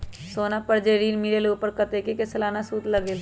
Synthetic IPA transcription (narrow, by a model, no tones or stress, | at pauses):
soːnapəɾd͡ʒeɾiːnmiɾelupəɾkɐt̪ekekesəlaːnasuːt̪lɐɡeːl